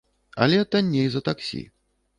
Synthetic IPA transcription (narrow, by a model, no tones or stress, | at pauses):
ɐ̰lʲɛt̪anʲːejzɐt̪aksʲḭ